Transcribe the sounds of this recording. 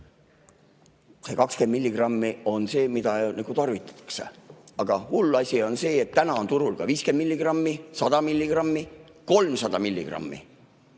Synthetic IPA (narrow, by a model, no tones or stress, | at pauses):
sekɑkskend̪milʲːiɡ̥rɑmːio̞nse̞ːmid̪ɑnɑɡ̥ut̪ɑrvit̪ːˑɑ̥t̪ːɑ̥ksḛɑɡ̥ɑhulːɑsʲio̞nse̞ːet̪ːænɑo̞nt̪uɾulkɑviːskend̪milʲːiɡ̥rɑmːisɑd̪̥ɑmilʲːiɡrɑmːi | ko̞lmsɑd̪̥ɑmilʲːḭɡ̥rɑ̰mːḭ